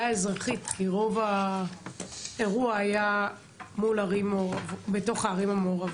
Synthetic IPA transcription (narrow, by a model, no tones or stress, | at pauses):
aezʁaχit̪kiʁo̞va | e̞ʁuaːja | mulaʁimooʁavbeto̞χaːʁimameoʁav